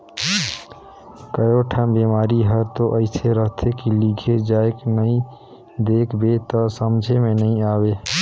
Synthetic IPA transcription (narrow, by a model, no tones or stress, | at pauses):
kəjoʈʰambemaɾiɦəɾt̪oʔəɪseɾəɦt̪ʰekiliɡʰʱed͡ʒaeknəĩ | d̪ekʰbet̪ɔsəmd͡ʒʱemẽnəĩaːbe